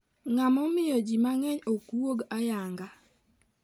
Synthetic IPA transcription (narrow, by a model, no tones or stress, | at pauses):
ŋamɔmɪjɔd͡ʒimaŋɛɲokuoɡajaŋɡa